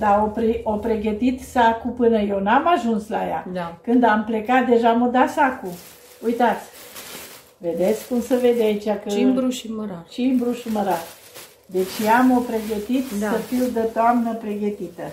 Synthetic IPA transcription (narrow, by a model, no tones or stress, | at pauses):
d̪aopɾiopɾe̞ɡət̪it̪sakupɨnəje̞wnamaʒunslaja̰kɨnd̪ample̞kat̪̚d̪e̞ʒamod̪asaku | ujt̪at̪sʲ | ve̞d̪e̞t̪sʲkumsəve̞d̪eait͡ʃakəut͡ʃimbɾuʃməɾat̪ | d̪e̞t͡ʃjamo̞pɾe̞ɡət̪it̪səfiwd̪ət̪oamnəpɾe̞ɡət̪it̪ə